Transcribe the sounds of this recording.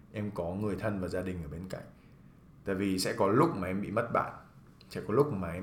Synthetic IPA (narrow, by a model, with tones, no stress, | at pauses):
ʔɛ˧mkɔ˨˦ŋɨ˨˩əjt̪ʰə˧nvaː˨˩zaː˧ɗï˨˩ŋ̟ʔəː˧˩ɓe˧nka̰˧˩˨jŋ̟ | t̪a̰ː˧˨jvi˨˩sɛ̰˧˥kɔ˨˦lʊ˦˥k͡p̚maː˨˩˨ʔɛ˧mɓḭ˧˨mə˦˥t̚ɓa̰ː˧˨n | sɛ̰˧˥kɔ˨˦lʊ˦˥k͡p̚maː˨˩ʔɛ˧